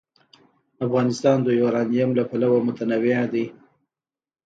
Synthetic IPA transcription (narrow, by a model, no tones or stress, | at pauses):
afɣɑnɪst̪ɑnd̪əjoɾɑnijamlapalawamʊt̪anawead̪ij